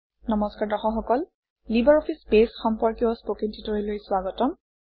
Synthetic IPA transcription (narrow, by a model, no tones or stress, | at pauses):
nɔmɔskaɹdɔxɔxɔkɔl | libaɹɔpʰispesxɔmpɔɹkiɔspokintʰitɔɹilojswaɡɔtɔm